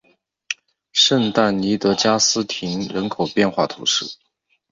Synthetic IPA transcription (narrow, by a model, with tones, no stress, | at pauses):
ʂə˥˧nt̪a˥˩nni˧˥t̪ɤ˧˥t͡ɕja˥sɹ̩˥t̪ʰi˧˥ŋɻə˧˥nkʰo˨˩ʊpjɛ˥˧nxwa˥˩t̪ʰṵ˧˥ʂɻ̩˥˩